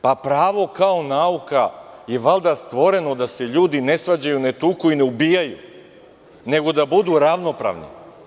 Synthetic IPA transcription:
papɾaːʋo̞kaonaukaje̞ʋalˠd̪ast̪ʋo̞ɾe̞no̞d̪ase̞ʎuːd̪ine̞sʋad͡ʑajune̞t̪ukuineubiːjajṵ | ne̞ɡo̞d̪abud̪uɾaʋno̞pɾa̰ʋnḭ

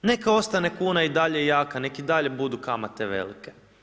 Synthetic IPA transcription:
ne̞kao̞st̪ane̞kuːnaid̪aʎejaːkane̞kid̪aʎe̞bud̪ukamat̪eʋḛlike

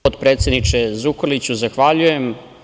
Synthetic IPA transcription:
od̪pɾe̞ːt̪sjed̪nit͡ʂezukolit͡ɕuzaxʋaʎujem

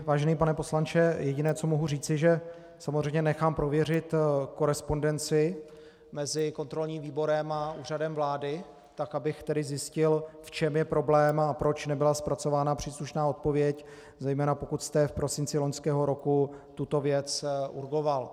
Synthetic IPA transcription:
vaːʒɛniːp̬anɛpo̞slant͡ʃɛjɛɟɪnɛːt͡so̞mo̞ɦuriːt͡sɪʒɛ | samozrɛjmɲɛnɛxaːmpɾo̞vjɛr̝ɪt̪ko̞ɾɛspo̞ndɛnt͡sɪ | mɛzɪko̞nt̪ɾo̞lɲiːmviːbo̞ɾɛmauːr̝adɛmvlaːdɪ | t̪akabɪxt̪ɛdɪzjɪscɪlft͡ʃɛmjɛpɾo̞blɛːmapɾo̞t͡ʃnɛbɪlaspɾat͡so̞vaːnapr̝̥iːsluʃnaːo̞t̪̚po̞vjɛc | zɛjmɛːnapo̞kut̪st̪ɛfpɾo̞sɪnt͡sɪlo̞ɲskɛːɦo̞ɾo̞kut̪ut̪o̞vjɛt͡sṵɾɡo̞val

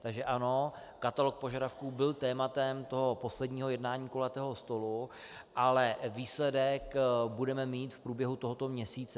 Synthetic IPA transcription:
t̪aɡʒɛʔano̞ | kat̪alok̚po̞ʒadafkuːbɪlt̪ɛːmat̪ɛmt̪o̞ɦo̞po̞slɛdɲiːɦojɛdnaːɲiːkolɛt̪ɛːɦost̪o̞lu | ʔalɛviːslɛdɛkbudɛmɛmiːt̪fpɾuːbjɛɦut̪oɦot̪o̞mɲɛsiːt͡sɛ

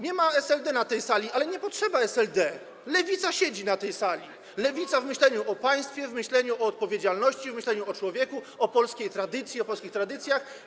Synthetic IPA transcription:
ɲɛmaɛsɛld̪ɛnat̪ɛjsalʲiʔalɛɲɛpɔtʂɛbaɛsɛld̪ɛ | lɛvʲit̪saɕed͡ʑinat̪ɛjsalʲi | lɛvʲit̪savmɘɕlɛɲuʔɔpaj̃st̪fʲjɛvmɘɕlɛɲuɔɔt̪̚pɔvʲjed͡ʑalnɔɕt͡ɕivmɘɕlɛɲuɔt͡ʂwɔvʲjɛku | ɔpɔlskʲejt̪ɾad̪ɘt̪sʲjiɔpɔlskʲixt̪ɾad̪ɘt̪sʲjax

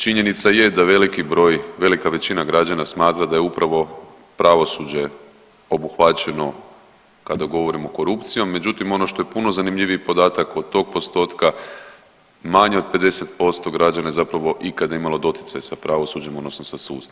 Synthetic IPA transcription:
t͡ʃiɲe̞nit̪saje̞d̪aʋe̞likibɾo̞ːjʋe̞likaʋe̞t͡ɕinaɡɾad͡ʒanasmaːt̪ɾad̪ajeupɾaʋo̞ | pɾaʋo̞sud͡ʑe̞ | o̞buxʋat͡ɕe̞no̞ | kad̪aɡo̞ʋo̞ɾimo̞ko̞ɾupt̪sijo̞mːe̞d͡ʒut̪imo̞no̞ʃt̪o̞jepuno̞zanimʎʲiʋiipo̞d̪aːt̪akod̪̚t̪ːo̞ːɡ̚po̞st̪o̞ːt̪ka | maɲeo̞d̪̚pe̞d̪e̞se̞t̪po̞st̪o̞ɡɾad͡ʒanajezapɾaʋo̞ʔikad̪ajimalˠo̞d̪o̞t̪ji̥t̪sajasapɾaʋo̞sud͡ʑemo̞d̪no̞snosasuːst̪

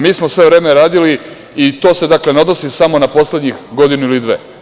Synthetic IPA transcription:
miːsmo̞sʋe̞ʋɾeːmeɾaːd̪ili | it̪o̞ːse̞d̪akle̞neo̞d̪nosisamo̞napo̞sle̞d̪ɲixɡo̞d̪inuilid̪ʋḛ

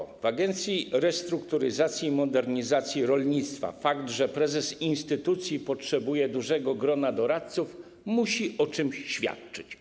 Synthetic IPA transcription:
vaɡɛnt̪sʲjiɾɛst̪ɾukt̪uɾɘzat̪sʲjimɔd̪ɛɾɲizat̪sʲjiɾɔlɲit̪st̪fa̰fakt̪ʐɛpɾɛzɛsinst̪ɘt̪ut̪sʲjipɔtʂɛbujɛd̪uʐɛɡɔɡɾɔnad̪ɔɾat̪̚suf | muɕiʔɔt͡ʂɘmɕːfʲja̰t̪t͡ʂɘt͡ɕ

